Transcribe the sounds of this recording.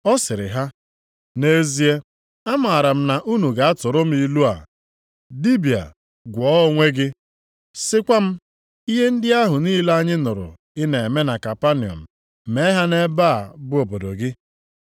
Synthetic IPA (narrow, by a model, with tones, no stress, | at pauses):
ɔ˦sɪ˨ɾɪ̰˨ɦa˦ | ne˦zi˦e˦ | a˦ma˨a˨ɾa˨m̩˦na˨ʔu˦nu˨ɡa˨a˦tʊ˨ɾʊ˦m̩˦i˨lu˦a̰˨ | li˦bi˨a̰˨ | ɡʷɔ˨˦ŋʷe˦ɡɪ˦ | sɪ˦kʷa˦m̩˦ | i˦ɦe˦n̩˦dɪ˦a˦ɦʊ˨niː˦la˦a˦ɲɪ˦nʊ˨ɾʊ̰˨ | ɪ˦ne˨e˨me˦na˨ka˨pa˦ni˨ɔ̰˨m̩˨ | me˦ɦa˦ne˦ba˦˨bʊ˦o˨bo˨do˨ɡɪ˦